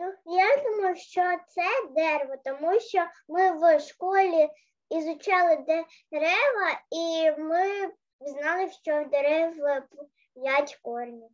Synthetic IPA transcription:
nujad̪umɔjʊʃt͡ʃɔt̪sɛd̪ɛrʋɔt̪ɔmuʃt͡ʃɔmɪwʃkɔlʲi | izʊt͡ʃɑlˠɪd̪ɛ | ɾɛʋɐimɪ | znɑlˠɪʃt͡ʃɔwd̪eɾɛw | jatʲkɔrnʲi

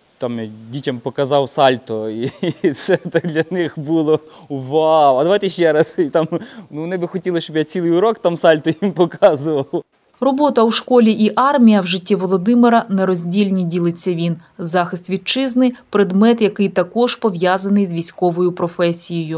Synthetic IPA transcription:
t̪ɑmjdʲitʲɐmpɔkɐzɑwsɑlʲt̪ɔisɛt̪ɑkd̪lʲɐnɪxbulˠɔ | ʋawɐd̪ɐʋajt̪ɛʃt͡ʃɛɾɐsit̪ɑmnuʋɔnɪbɪxɔtʲilˠɪʃt͡ʃɔbjat͡sʲilˠɪjʊɾɔkt̪ɑmsɑlʲt̪ɔjʲimpɔkɑzʊʋɐw | rɔbɔt̪ɐuʃkɔlʲiʔiʔɑrmʲijɐwʒɪtʲːiʋɔlˠɔd̪ɪmɪɾɐnɛɾɔzʲdʲilʲnʲidʲilˠɪt͡sʲːɐʋʲinzɑxɪst̪ʋʲid̪̚t͡ʃɪznɪjpɾed̪mɛt̪jɐkɪjt̪ɐkɔʒ̥pɔʋjɑzɐnɪjzʲʋʲijsʲkɔʋɔjʊpɾɔfɛsʲijɔjʊ

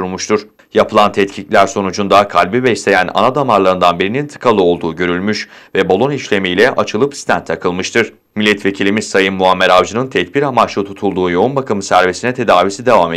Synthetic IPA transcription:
uɾmuʃt̪ʰuɾ̥ | japʰɯlˠant̪ʰɛt̪cʰiclʲæɾso̞nud͡ʒund̪akʰalʲbibɛslʲe̞jænʔa̰nad̪amaɾlˠaɾɯnd̪anbiɾinint̪ʰɯ̥kʰalˠɯo̞lˠd̪uːɟø̞ɾylʲmyʃvɛbolˠo̞niʃlʲe̞mijlʲɛʔat͡ʃʰɯlˠɯpi̥st̪ʰænt̪ʰakʰɯlˠmɯʃt̪ʰɯɾ̥ | milʲːɛt̪ʰve̞cʰilʲimizsajɯnmːuamːeɾavd͡ʒɯnɯnt̪ʰɛt̪̚biɾamat͡ʃlˠɯt̪ʰut̪ʰulˠd̪uːjo̞unbakʰamɯsæɾvesinɛt̪ʰe̞d̪aːvisid̪e̞vame

